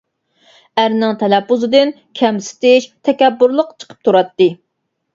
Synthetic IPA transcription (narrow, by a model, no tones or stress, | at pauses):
æɾnɪŋt̪ʰɛlɛpːuzɨd̪ɪn | kʲʰɛmsɪ̥t̪ɪʃt̪ʰɛkʲɛbːuɾlˠəqt͡ʃʰə̥qʰə̥p̚t̪ʰuɾɑt̪ːɨ